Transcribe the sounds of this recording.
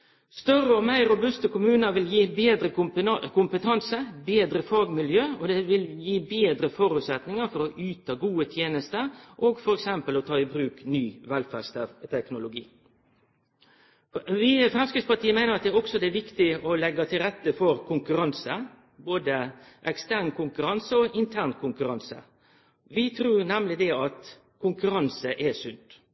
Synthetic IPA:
st̪œrəɔmæɪɾʊbʉst̪əkʰʊmʉːnəɾʋɪljiːbeːd̪ɾəkʰʊmpət̪ʰɑnsəbeːd̪ɾəfɑːɡmɪljøːɔd̪ɛʋɪljiːbeːd̪ɾəfɔɾʉːt̪sɛt̪nɪŋəɾfɔɾɔʔyːt̪ɑɡuːət̪ʰjeːnəst̪əʔoːɡfɔɾɛksɛmpəlɔt̪ʰɑːɪbɾʉːknyːʋɛlfæst̪t̪ʰɛknʊlʊɡiː | ʋifɾɛmskɪt̪spɑt̪ʰiːəmæɪəʁɑt̪̚d̪ɛæːɾɔksɔd̪ɛæʋɪkt̪ɪɔlɛɡːɑt̪ʰɪlʁɛt̪ːəfɔɾkʰʊŋkʉɾɑnsə | boːd̪əʔɛkst̪æʁnkʰʊŋkʉɾɑnsəɔʔɪnt̪ʰæʁnkʰʊŋkʉɾɑnsə̰ | ʋɪt̪ʰɾuːɾnæmlɪd̪ɛɑt̪ | kʰʊŋkʉɾɑnsəʔɛsʉnt̪

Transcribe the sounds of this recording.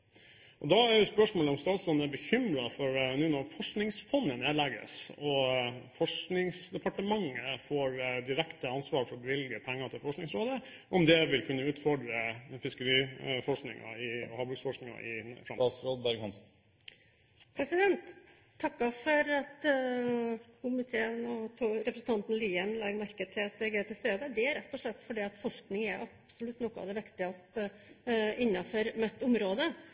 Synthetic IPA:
ʔɔd̪ɑæɾjʊspœʂmoːləɔmst̪ɑːt̪sɾoːd̪̩æɾbəçʏmɾɑfɔɾnuːnɔɾfɔʂknɪŋsfɔnːəneːlɛɡə̰sɔfɔʂknɪŋsd̪ɛpʰɑʈəmɑŋːəfoːɾd̪ɪɾɛkt̪əɑnsʋɑːɾfɔɾbəʋɪlɡəpʰɛŋːɑt̪ʰɪlfɔʂknɪŋsɾoːd̪ə | ʔɔmd̪ɛʋɪlkʰʉnːəʉːt̪fɔɖɾəfɪskəɾiːfɔʂknɪ̰ŋɑ̰ɪɔhɑːbɾʉksfɔʂknɪŋɑ̰ʔɪfɾɑ̰msɾoːd̪bæɾɡhɑnsn̩ | pʰɾɛsɪd̪ɛnt̪ʰː | ɑkːɑfɔɾɑt̪ | kʰʊmɪt̪ʰeːənɔt̪ʰuɾɛpɾəsn̩t̪ʰɑnt̪n̩liːənlɑːɡmæɾkəd̪̚t̪ʰɪlɑt̪d̪ɛɡeːt̪ʰɪlst̪eːd̪əd̪ɛæɾɛt̪ːɔʂɭɛt̪ːfɔɖiːɑt̪fɔʂknɪŋæɾʔɑpsɔlʉt̪ːnɔkːəɑ̰ʋd̪ɛʋɪkt̪ɪɑst̪ə | ɪnːɑfɔɾmɛt̪ːʊmɾoːd̪ə

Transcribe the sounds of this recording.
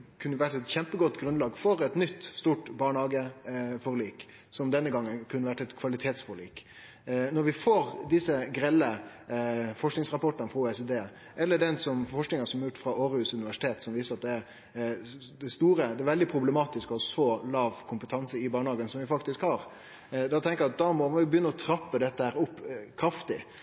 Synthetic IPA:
kʰʉnːəʋæʈːɛt̪çɛmpəɡɔt̪ːɡɾʉnlɑːɡfɔɾɛt̪nʏt̪ːst̪uːʈbɑːɳəhɑːɡəfɔɾliːk | sɔmd̪ɛnːəɡɑŋːənkʰʉnːəʋæʈːɛt̪kʰʋɑlɪt̪ʰeːt̪sfɔɾlḭːk | nɔɾʋɪfoːɾd̪ɪsəɡɾɛlːə | fɔʂknɪŋsʁɑpɔʈːənəfɾɔuːɛsɛd̪eː | ʔɛlːəɖɛnsɔmfɔʂknɪŋənsɔmɛjʉːʈ̪fɾɑoːɾʉːsʉnɪʋæʂɪ̥t̪ʰeːt̪sɔmʋiːsəɾɑt̪̚d̪ɛæɾ | d̪ɛst̪uːɾəd̪ɛæʋɛld̪ɪpʰɾʊbləmɑːt̪ɪskɔhɑsɔlɑːʋkʰʊmpət̪ʰɑnsəɪbɑːɳəhɑːɡənsɔmʋɪfɑkt̪ɪskhɑːɾ | d̪ɑt̪ʰɛŋkəɾjɑt̪̚d̪ɑmɔʋɪbəjʏnːəɔt̪ʰɾɑpːəd̪ɛt̪ːəhæːɾʊpːkʰɾɑft̪ɪ

